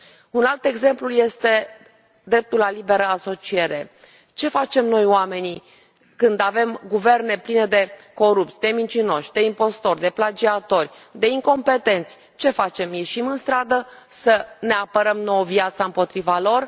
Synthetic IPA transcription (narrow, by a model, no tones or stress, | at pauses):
unalt̪e̞ɡze̞mpluje̞st̪e̞ | d̪ɾe̞p̚t̪ulːalibe̞ɾəaso̞t͡ʃie̞ɾe̞ | t͡ʃe̞fat͡ʃe̞mno̞joame̞ni | kɨnd̪ave̞mɡuve̞rne̞pline̞d̪e̞ko̞ɾupt̪sʲd̪e̞mint͡ʃino̞ʃʲd̪e̞impo̞st̪o̞rʲd̪e̞plad͡ʒiat̪o̞rʲ | d̪e̞iŋko̞mpe̞t̪e̞nt̪sʲ | t͡ʃe̞fat͡ʃe̞mje̞ʃimɨnst̪ɾad̪əsəne̞apəɾəmnoəvjat̪saɨmpo̞t̪ɾivalo̞r